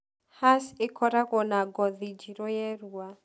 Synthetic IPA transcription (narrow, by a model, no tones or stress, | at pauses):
hasɪkɔɾaɣɔnaɡɔðid͡ʒiɾojɛɾua